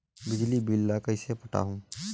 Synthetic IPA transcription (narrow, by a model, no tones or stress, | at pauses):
bɪd͡ʒlibilːakɐɪsepɐʈa̰ːɦũː